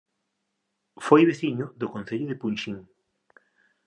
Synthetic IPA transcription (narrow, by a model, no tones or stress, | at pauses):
fojβeθiɲʊðʊkõnθeʎʊðepunʃiŋ